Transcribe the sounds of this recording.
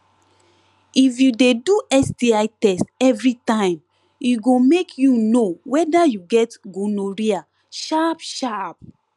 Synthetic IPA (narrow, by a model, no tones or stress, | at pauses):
ifjudeduʔɛsdiaɪtɛstɛvɹitãɪ̃m | iɡomekʰjunowɛdajuɡɛtɡõnoɹia | ʃapʃap̚